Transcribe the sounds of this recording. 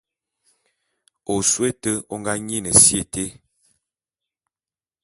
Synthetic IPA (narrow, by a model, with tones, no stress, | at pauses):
o˨swe˦tə˦o˦ŋɡa˦ɲi˦nə˨sje˨te˦